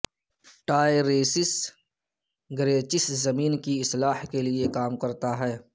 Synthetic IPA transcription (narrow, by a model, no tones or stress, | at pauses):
ʈaːeɾeːsɪs | ɡɾeːt͡ʃɪszɐmiːnkiɪslaːhkelɪekaːmkɐɾt̪aɦɛː